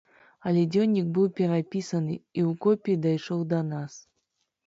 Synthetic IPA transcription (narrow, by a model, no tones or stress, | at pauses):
ɐlʲɛd͡zʲɔwnʲːik̚bɨwpʲɛɾapʲisɐnɨiwkɔpʲid̪ajʂɔwd̪ɐnas